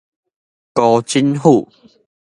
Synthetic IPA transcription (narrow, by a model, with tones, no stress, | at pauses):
kɔ˧t͡ɕi˦nɦu˥˨